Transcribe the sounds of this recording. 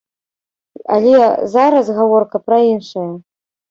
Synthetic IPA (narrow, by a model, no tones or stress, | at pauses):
a̰lʲɛzaɾɐsɣavɔrkɐpɾɐinʂɐjɐ